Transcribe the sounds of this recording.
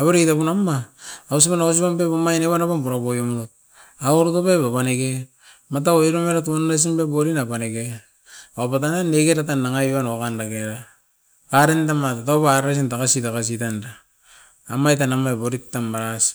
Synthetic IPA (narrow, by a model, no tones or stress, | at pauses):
aβeɾitapunamaːus̬iβanaos̬ipambepamajneβanaβanpuɾabojomɾot̚ | aoɾutopepapaneke | mat̬aoiɾomeɾatuondas̬imbeboɾinapaneke | aopat̬ananekeɾatanːaŋaβanokandakeɾa | kaɾentamatataβaɾɾas̬intakasitakas̬itandaː | majtanamaeboɾitːamaɾas